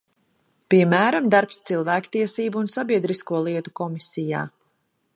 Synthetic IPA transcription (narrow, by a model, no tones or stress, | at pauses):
piɛmæːɾamd̪aɾpst̪silˠvæːkt̪iɛsiːbuunsabiɛd̪ɾiskuɔlˠiɛt̪u̥kɔmisija̰ː